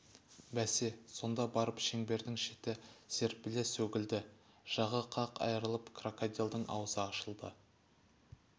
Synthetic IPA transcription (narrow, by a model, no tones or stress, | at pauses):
bæseso̞nd̪ɑbɑɾəpʃeŋbe̞ɾd̪ɪŋʃet̪ɪse̞ɾ̚pɪlesɵɡʲɪld̪ɪ | ʒ̥ɑʁəqʰɑqʰɑ̰jəɾəlˠəpkʰrokod̪ʲijolˠd̪əɴʔɑ̰wəzəɑʃəlˠd̪ə